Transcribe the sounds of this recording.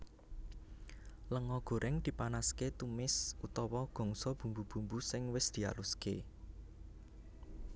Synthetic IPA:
ləŋɔɡ̥o̤ɾʔɛŋd̪̥i̤panasket̪umɪsut̪ɔwɔɡ̥ɔ̤ŋsɔb̥ṳmbub̥ṳmbusɪŋwɪsd̪̥i̤a̰lʊske

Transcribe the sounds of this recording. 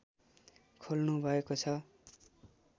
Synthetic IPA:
kʰolnubʱʌekot͡sʰʌ

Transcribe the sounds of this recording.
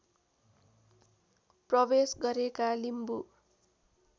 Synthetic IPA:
prʌbesɡʌɾekalimbu

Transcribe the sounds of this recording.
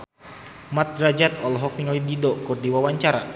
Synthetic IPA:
mat̪̚ɾad͡ʒat̪ɔlɦɔk̚niŋalididɔkurdiwawaɲt͡ʃaɾa

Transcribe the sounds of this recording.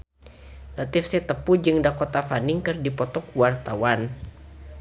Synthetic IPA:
nat̪ifsɛt̪əpud͡ʒɨŋdakɔt̪afaniŋkɨrdipɔt̪ɔkuwart̪awan

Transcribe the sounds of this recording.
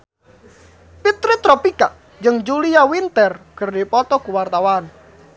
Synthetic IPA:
pit̪ɾɪt̪ɾɔpikaʔ | d͡ʒɨŋd͡ʒuliawint̪ɛrkərdipɔt̪ɔkuwart̪awan

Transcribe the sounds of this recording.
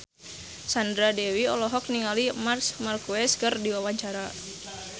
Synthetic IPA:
sandɾadɛwiɔlɔɦɔk̚niŋalimarsmarkuɛskɨrdiwawaɲt͡ʃaɾa

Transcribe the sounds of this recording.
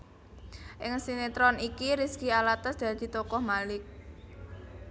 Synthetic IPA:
ʔɪŋsinet̪ɾɔnikiɾiskialat̪əsd̪̥ä̤d̪̥i̤t̪ɔkɔhmalɪk̚

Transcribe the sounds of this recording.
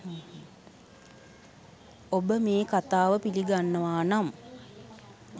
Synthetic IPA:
obəmeːkat̪aːʋəpiliɡanːəʋaːnam

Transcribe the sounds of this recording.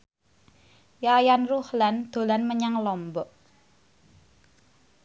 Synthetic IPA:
jaːjanruhland̪̥o̤lanməɲaŋlɔmbɔʔ

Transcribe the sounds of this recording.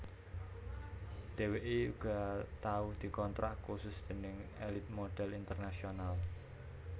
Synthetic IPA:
d̪̥e̤weʔeuɡ̥a̤t̪auhd̪̥i̤kɔnt̪ɾaʔkusʊsd̪̥e̤nɪŋelɪt̪̚moɖ̥ɛlint̪ərnasional

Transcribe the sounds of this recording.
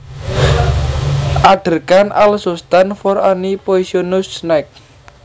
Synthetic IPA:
ʔaɖ̪̥ə̤rkanʔalsust̪anfɔɾanipoisionʊsnɛk̚

